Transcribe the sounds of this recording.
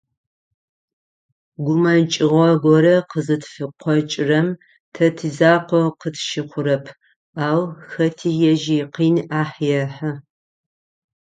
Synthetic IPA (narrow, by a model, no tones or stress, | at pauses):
ɡʷʊmɐnt͡ʃʼɪʁʷɔɡʷɔɾɐqəzɨtʰfɨqʷʰɔt͡ʃʼɪrɐm | tʰɐtʰizaːqʷɔqətʰʃɪχʷʊɾɐpʰ | aːwxɐtʰiːjɛʒiqiːnaːħjɛħɐ